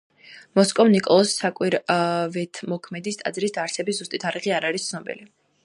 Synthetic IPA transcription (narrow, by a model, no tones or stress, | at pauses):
mɔskʼɔvnikʼɔlˠɔsːakʼwiɾvɛt̪ʰmɔkʰmɛd̪ist̪ʼa̰d̪zɾisd̪aɾt̪sʰɛbiszust̪ʼit̪ʰaɾiʁiaɾaɾist̪sʰnɔbḭli